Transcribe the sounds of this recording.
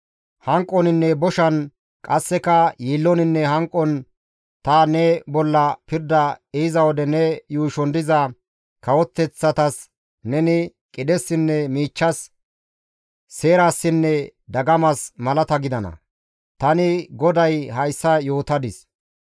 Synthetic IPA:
hɐŋkʼːɔnɪnːɛbɔʃɐn | kʼɐsːɛkɐjiːlːɔnɪnːɛɦɐŋkʼːɔn | t̪ɐnɛbɔlːɐpɪɾd̪ɐɛɪzɐwɔd̪ɛnɛjuːʃɔnd̪ɪzɐ | kɐwɔt̪ːɛt͡sːɐt̪ɐs | nɛnɪ | kʼɪd̪ɛsːɪnːɛmiːt͡ʃːɐs | e̞ːɾasːɪnːɛd̪ɐɡɐmɐsmɐlɐt̪ɐɡɪd̪ɐnɐ̰ | t̪ɐnɪɡɔd̪ɐjhɐjsːɐjo̞ːt̪ɐd̪ɪs

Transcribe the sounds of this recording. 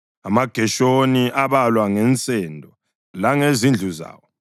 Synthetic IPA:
amaɡ̥ʱɛʃoniʔaβalwaŋɛnt͡sʼɛndʱɔ | laŋezind͡ɮʱuza̰ːwɔ

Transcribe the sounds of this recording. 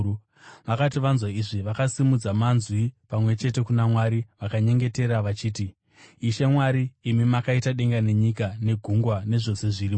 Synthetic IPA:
ʋakat̬iʋanzwaiʐiʋakasimud͡zamanzwipamwe̞t͡ʃe̞te̞kunamwaɾiʋakaɲe̞ŋɡe̞te̞ɾaʋat͡ʃiːtiː | ʃe̞mwaɾiːmimakaitaɗe̞ŋɡane̞ɲikane̞ɡʱuŋɡwane̞ʐo̞se̞ʐiriːm

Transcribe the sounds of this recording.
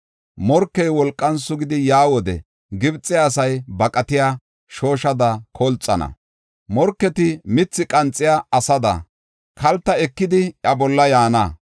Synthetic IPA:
mɔɾkːɛjwɔlkʼːɐnsʊɡɪd̪ɪjaːwɔd̪ɛ̰ | ɡɪbt͡sʼːɪːsɐjbɐkʼɐt̪ɪjaː | ʃoːʃɐd̪ɐkʰɔlt͡sʼːɐ̰nɐ̰ | mɔɾkːɛt̪ɪmɪt͡sːɪkʼɐnt͡sʼːɪjaɐsɐd̪ɐ̰ | kʰɐlt̪ːɐɛkːɪd̪ɪɐbɔlːɐjaːnɐ

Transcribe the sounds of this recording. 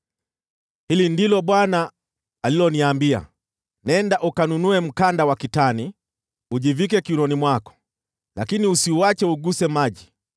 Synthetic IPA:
hilindilɔɓwanaː | lilɔniambia̰ | nɛndaʔukanunuɛm̩kandawakitani | uʄivik̬ɛkiunɔnimwakɔ̥ | lakiniusiuwat͡ʃɛuɡusɛmaʄi

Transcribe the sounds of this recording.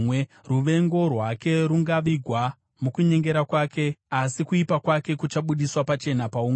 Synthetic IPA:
ruʋe̞ŋɡo̞rwake̞ɾuŋɡaʋiɡʱwa | mukuɲe̞ŋɡe̞ɾakwaːke̞asikuipakwake̞kut͡ʃaɓuɗiswapat͡ʃe̞napauŋ

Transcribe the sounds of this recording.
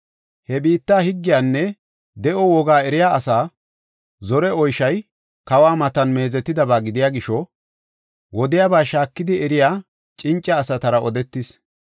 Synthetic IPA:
hɛbiːt̪ːaːhɪɡːɪjaːnːɛ | d̪ɛʔɔwɔɡaːɛɾɪjaːʔɐsaː | zɔɾɛɔjʃɐj | kɐwaːmɐt̪ɐnme̞ːzɛt̪ːɪd̪ɐbaːɡɪd̪ɪjaːɡɪʃɔ | wɔd̪ɪjabaːʃaːkːɪd̪ɪɛɾɪjaː | t͡ʃʼɪnt͡ʃʼːɐːsɐt̪ɐɾɐʔɔd̪ɛt̪ːɪs

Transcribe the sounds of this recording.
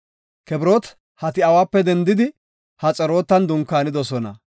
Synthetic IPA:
kɛbɾoːt̪ | hɐt̪ɪɐwaːpːɛd̪ɛnd̪ɪd̪ɪ | hɐt͡sʼɛɾo̞ːt̪ːɐnd̪ʊŋkːaːnɪd̪ɔsɔnɐ̰

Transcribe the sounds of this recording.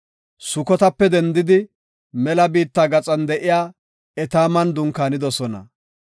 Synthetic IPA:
sʊkɔt̪ɐpːɛd̪ɛnd̪ɪd̪ɪ | mɛlɐbiːt̪ːaːɡɐt͡sʼɐnd̪ɛʔɪjaː | ɛt̪aːmɐnd̪ʊŋkaːnɪd̪ɔsɔnɐ̰

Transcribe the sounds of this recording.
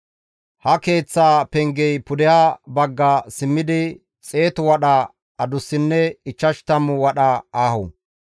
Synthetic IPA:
hɐke̞ːt͡sːaːpɛŋɡɛjpʊd̪ɛhabɐɡːasɪmːɪd̪ɪ | t͡sʼe̞ːt̪ʊwɐɗa | ɐd̪ʊsːɪnːɛɪt͡ʃːɐʃt̪ɐmːʊwɐɗaaːhʊ

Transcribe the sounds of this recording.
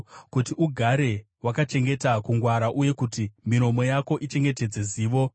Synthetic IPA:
kutiʔuɡʱaɾe̞ | wakat͡ʃe̞ŋɡe̞takuŋɡwaɾaʔuje̞kutimiɾo̞mo̞jako̞ʔit͡ʃe̞ŋɡe̞t̬e̞d͡ze̞ziːʋo̞

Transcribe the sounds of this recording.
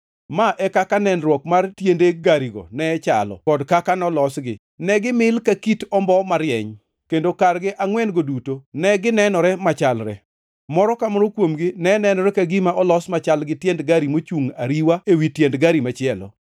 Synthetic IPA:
maʔɛkakanɛnrwɔkmartjendeɡaɾiɡɔ̰nɛt͡ʃa̰lɔ̰kɔdkakanɔlɔsɡɪ̰ | nɛɡɪmɪlkakitɔmbɔmaɾjɛɲ | kendokarɡɪʔaŋwɛnɡodutonɛɡɪnɛnɔɾɛmat͡ʃalɾɛ̰ | mɔɾɔkamɔɾokwomɡɪnɛnɛnɔɾɛkaɡimaʔɔlɔsmat͡ʃalɡɪtjɛndɡaɾimot͡ʃuŋa̰ɾiwaewitjɛndɡaɾimat͡ʃɪɛlɔ̰

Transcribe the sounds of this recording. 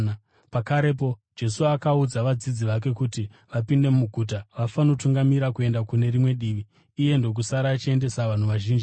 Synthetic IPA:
pakaɾe̞p̬o̞d͡ʒe̞suakaud͡zaʋad͡zid͡ziʋak̬e̞kuti | ʋapinde̞mmuɡʱuːt̬aʋafano̞tuŋɡamiɾakue̞ndakune̞rimwe̞ɗiːʋiː | je̞ndo̞k̬usaɾaːt͡ʃie̞nde̞saʋan̤uʋaʒiːnd͡ʒi

